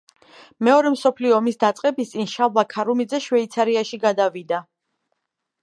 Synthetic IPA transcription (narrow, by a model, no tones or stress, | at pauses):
mɛɔɾɛmsɔpʰliɔːmisd̪at̪sʼqʼɛbist̪sʼinʃavlˠakʰaɾumid̪zɛʃwɛit̪sʰaɾiaʃiɡad̪avid̪a